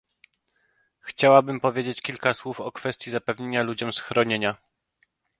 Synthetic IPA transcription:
xt͡ɕawabɘmpɔvʲjed͡ʑet͡ɕkʲilkaswufɔkfɛst̪ʲjizapɛvɲeɲalud͡ʑɔmsxɾɔɲeɲa

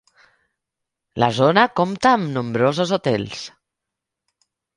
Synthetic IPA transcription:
la̰zonakomt̪aːmnumbɾozəzut̪ɛ̰lˠs

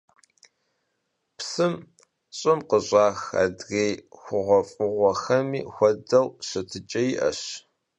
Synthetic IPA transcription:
psɨm | ɕʼɪmqəɕʷʼaːxa̰ːdɣejxʷʊʁʷɔfʼʊʁʷɔxɐmḭːxʷɔdɐwɕɐtʰɨt͡ʃʼɐjiʔɐ̰ɕ

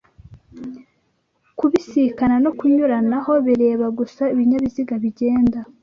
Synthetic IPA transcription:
kuβisikanano̞kuɲuɾanaho̞βiɾe̞ːβaɡusaiβiɲaβiziɡaβiɟe̞ːnda

